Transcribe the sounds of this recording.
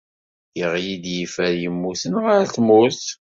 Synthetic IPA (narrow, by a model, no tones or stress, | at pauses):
jiʁjid̪jifæɾjəmːuθənʁaɾθmuθ